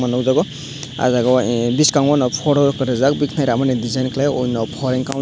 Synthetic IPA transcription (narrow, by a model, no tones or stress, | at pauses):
manɔwzaɡɔ | a̰zaɡɔbiskaw̃ŋmanɔpʰɔɽɔkɯɾɛzakbikʰnajɾamanɛdizajnkʰlaɔjnɔpʰɔɾɛŋkaw